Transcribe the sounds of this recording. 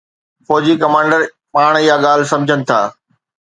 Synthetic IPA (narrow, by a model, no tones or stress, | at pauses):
fɔːd͡ʑikɐmãːɳɖəɾ | paːɽ̃ɪɦaɠaːl̤ɪ̆sɐ̃md͡ʑʱənɪ̆t̪ʰa̰ː